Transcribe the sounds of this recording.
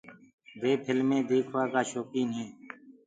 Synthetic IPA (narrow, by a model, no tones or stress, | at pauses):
beːpʰɪlmẽːd̪eːkʰʋaːkaːʃoːkiːnẽː